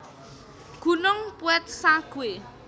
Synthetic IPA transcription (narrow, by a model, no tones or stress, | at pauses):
ɡ̥ṳnʊŋpuɛt̪̚saɡ̥ue